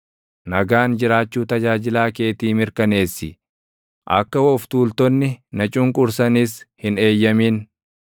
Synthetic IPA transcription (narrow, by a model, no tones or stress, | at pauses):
nɐɡaːnd͡ʒɪɾaːt͡ʃːuːt̪ɐd͡ʒaːd͡ʒɪlaːke̞ːt̪iːmɪɾkɐne̞ːsːɪ | ʔɐkːɐwɔʊft̪uːlt̪ɔnːɪnɐt͡ʃʼʊŋkʼʊɾsɐnɪshɪne̞ːjːɐmiːn